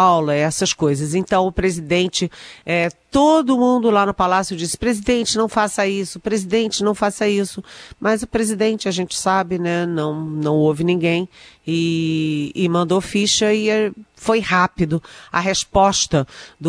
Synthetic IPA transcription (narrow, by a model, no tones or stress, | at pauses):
awlɐɛsɐskojzɐzẽnt̪ɐ̃w̃ʊpɾezid̪ẽnt͡ʃɪɛt̪od̪ʊmũnd̪ʊlanʊpalasjʊd͡ʒisɪ̥pɾezid̪ẽnt͡ʃɪnɐ̃w̃fasɐisʊpɾezid̪ẽnt͡ʃɪnɐ̃w̃fasɐisʊmɐzʊpɾezid̪ẽnt͡ʃɪɐʒẽnt͡ʃɪ̥sabɪnɛnɐ̃w̃nɐ̃w̃ovɪnĩɡẽj̃ɪ | ɪmɐ̃nd̪ofiʃɐɪfojhapid̪ʊɐ̰ɦeʃpɔʃt̪ɐd̪